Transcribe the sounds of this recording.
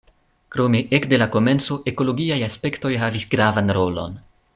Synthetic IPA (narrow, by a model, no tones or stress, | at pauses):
kɾo̞me̞ʔekde̞lako̞me̞nt͡so̞ʔeko̞lo̞ɡiajaspe̞kto̞jɦavisɡɾavanɾo̞lo̞̰n